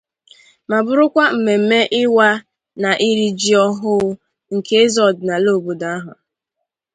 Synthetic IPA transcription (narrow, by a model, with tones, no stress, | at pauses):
ma˨bʊ˦ɾʊ˦kʷa˦m̩˨me˨m̩˦me˦ʔɪ˦wa˦ | na˨ʔi˦ɾi˦d͡ʒi˦ɔ˦ɦʊ˦ | ŋ̩˨ke˦e˦zɔ˨dna˨lo˦˨bo˨da˦a˦ɦʊ˨